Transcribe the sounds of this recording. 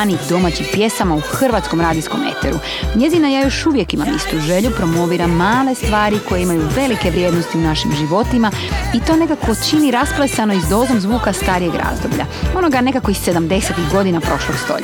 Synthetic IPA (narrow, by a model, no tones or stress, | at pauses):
nid̪o̞maːt͡ɕimpje̞samauxr̩ʋaːt̪sko̞mɾaːd̪isko̞̰me̞̰t̪ḛɾu | ɲe̞zinajajo̞ʃuʋje̞kimamist̪uʒe̞ʎupɾo̞mo̞ʋiːɾamaːle̞st̪ʋaːɾiko̞jeimajuʋe̞like̞ʋɾje̞ːd̪no̞st̪iunaʃimʒiʋo̞t̪ima | it̪o̞ːne̞kako̞t͡ʃiniɾasplˠesano̞izd̪o̞ːzo̞mzʋuːkast̪aːɾijeɡɾa̰ːzd̪o̞bʎa̰o̞no̞ɡane̞kako̞ise̞d̪amd̪e̞se̞t̪iɣɡo̞d̪inapɾo̞ʃloɡ̥st̪o̞̰ʎ̰